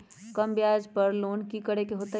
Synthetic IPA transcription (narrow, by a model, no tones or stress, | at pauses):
kɐmbjaːd͡ʒpɐɾloːnkikəɽekeɦoːt̪a